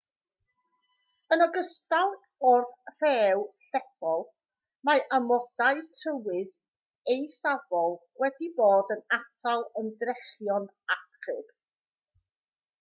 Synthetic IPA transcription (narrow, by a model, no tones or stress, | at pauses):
ənɔɡəstaw | ɔrθr̥ɛːwɬɛfɔlˠ | maʔamɔd̥aɨtʰrəwɨð | ejθavɔlˠ | wɛdiboːdənatʰalˠəndrɛχjɔn | aχɨb̥